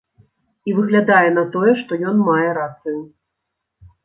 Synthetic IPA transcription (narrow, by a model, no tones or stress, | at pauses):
ivɨɣlʲad̪ajɛn̪ɐt̪ɔjɛʂt̪ɔjɔnmajɛɾat̪sɨju